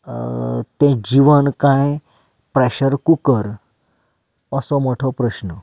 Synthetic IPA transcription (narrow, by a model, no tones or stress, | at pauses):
t̪ẽd͡ʑiʋənkãj | pɾeɕəɾkukəɾ | əsɔmɔʈʰɔpɾəɕnə